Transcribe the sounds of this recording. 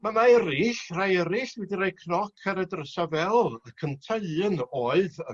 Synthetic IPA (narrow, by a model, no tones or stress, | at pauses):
mamaɛɾɪɬrajɛɾɪɬwɛdiɾajkʰnɔkʰaɾɛdrəsavɛlˠakʰəntʰəɨənoːɨðə